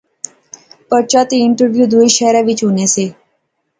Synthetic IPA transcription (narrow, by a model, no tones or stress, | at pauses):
pəɾt͡ʃat̪iɪɳʈəɾʋjuːd̪ʱuiʃɛːɾaʋɪt͡ʃɦunese